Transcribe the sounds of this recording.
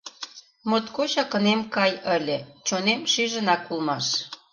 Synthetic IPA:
mot̪koɕɑkə̆nemkɑjə̆lʲĕt͡ɕonemʃiʒə̆nɑkːulmɑʃ

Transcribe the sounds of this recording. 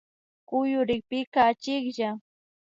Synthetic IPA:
kʊjʊɾɪk̚pɪkaːt͡ʃɪkʎa

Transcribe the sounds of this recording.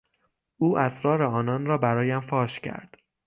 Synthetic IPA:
ʔuːʔæsɾɒːɾeɒːnɒːnɾɒːbæɾɒːjæmfɒːʃcʰæ̰ɾd̪̥

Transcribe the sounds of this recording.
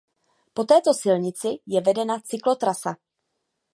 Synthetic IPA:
po̞t̪ɛːt̪o̞sɪlɲɪt͡sɪjɛvɛdɛnat͡sɪklo̞t̪ɾasa

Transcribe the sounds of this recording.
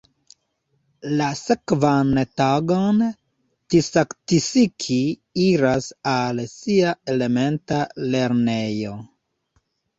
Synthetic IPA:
lasekvantaɡon | tisaktisikʰi | iɾasalsiae̞le̞me̞ntale̞ɾne̞jo̞

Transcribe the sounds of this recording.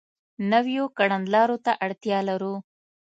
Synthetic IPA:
nawjokaɽand̪lɑɾot̪aʔaɽt̪jɑlaɾu

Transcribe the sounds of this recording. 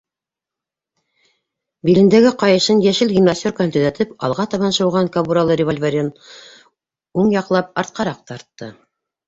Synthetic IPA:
bilɘ̆nd̪æɡɘqɑjɤ̆ʃɤnjæʃɘlɡʲimnasʲt̪ʲorkaɤnt̪ɵ̆ðæt̪ʰɘpɑ̰lˠʁɑt̪ɑβɑnʃɤ̆wʁɑŋkabuɾalˠɤɾʲɪvolʲvʲeɾʲent̪ | uɴjɑqlˠɑp̚ɑɾt̪̚qɑɾɑq̚t̪ɑɾt̪ːɤ̰

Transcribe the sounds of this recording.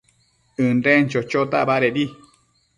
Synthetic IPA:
ɨnɾent͡ʃot͡ʃot̪aʔbaɾeɾi

